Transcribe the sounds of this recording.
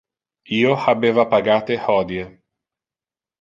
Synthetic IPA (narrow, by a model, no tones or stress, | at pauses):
iːohabeːvapaɡaːt̪ehɔːd̪je